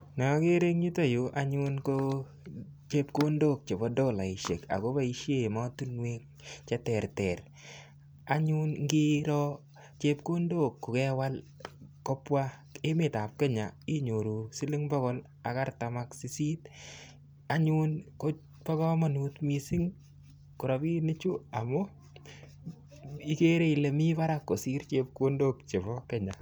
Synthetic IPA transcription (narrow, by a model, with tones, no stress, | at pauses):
nɔ˨˦ke˦ɾe˦ŋɲi˦to˦ju˨ʔa˦ɲu˦nko | t͡ʃe˦pko˦ndo˦k̚t͡ʃe˨bɔ˨˦do˦la˨i˨ʃe˨ka̰˨ko˦ba˦i˦ʃje˦˨ma˦tu˦nwe˦k | t͡ʃɛ˦tɛ˨ɾtɛ˨ɾ | a˨ɲu˦nŋɡi˦ɾɔ˦ | t͡ʃe˦p̚ko˦ndo˦kːʊ˨kɛ˦wa˦l | ko˦pwa˦ | e˦mɪ˨ta˨p̚kɛ˦ɲa˨i˦ɲo˨ɾu˨si˦lɪ˦ŋbɔ˦ɣɔ˦l | a̰˨ka˦ɾta˨ma˨ksi˨si˦t | a˦ɲu˦nko˦ | pa˦kɔ˦ma˨nu˨tmi˨si˦ŋ | ku˨ɾa˨bi˦nɪ˦t͡ʃu˦a˨mʊ˦ | i˦ke˦ɾe˦i˨le˨mi˦ba˦ɾa˦kːo˨si˦ɾt͡ʃe˦p̚ko˦ndo˦kt͡ʃe˨bɔ˦kɛɲa˨